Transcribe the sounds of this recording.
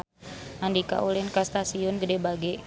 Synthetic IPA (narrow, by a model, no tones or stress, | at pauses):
andika̰ʔulɪnkast̪asiʊnɡədɛbaɡɛ